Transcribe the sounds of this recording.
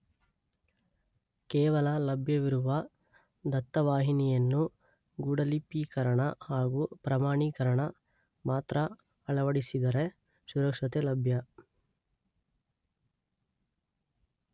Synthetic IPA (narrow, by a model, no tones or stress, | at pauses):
kɛːʋɐlɐlɐbʱjɐʋiɾuʋɐ | d̪ɐt̪ːɐʋaːɦinijɐnːu | ɡuːɽɐlipːikɐɾɐɳɐhaːɡupɾɐmaːɳikɐɾɐɳɐ | maːt̪ɾɐ | ɐɭɐʋɐɽisid̪ɐɾe̞ | suɾɐkʂɐt̪elɐbʱjɐ